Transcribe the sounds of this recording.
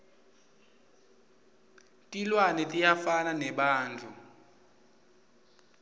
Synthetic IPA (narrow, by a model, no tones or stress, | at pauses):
tʼilwanɛtʼijafananɛɓaːnd͡ɮʱu